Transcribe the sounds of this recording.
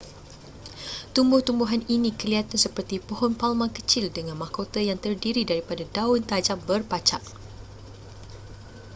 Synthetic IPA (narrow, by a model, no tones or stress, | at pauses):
t̪umbʊht̪umbuɦaninikəliat̪ansəpərt̪ipɔɦɔnpalmãkət͡ʃɪldəŋãnmahkot̪əjaŋt̪ərdiɾidaɾipadadaʊnt̪ad͡ʒambərpat͡ʃak̚